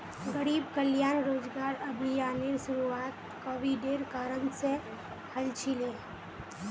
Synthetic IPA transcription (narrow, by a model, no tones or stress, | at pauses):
ɡəɾiːbkəljaːnɾoːd͡ʒɡaːɾəbʱijaːneɾʃʊɾuaːt̪ | koːʋiɖeːɾkaːɾənse | həlt͡ʃʰile